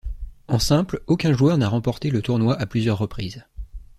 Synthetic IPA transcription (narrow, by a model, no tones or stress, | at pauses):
ɑ̃sɛ̃plokʲɛ̃ʒuœʁnaʁɑ̃pɔʁt̪elət̪uʁnwaʔaplyzjœʁːəpχiːz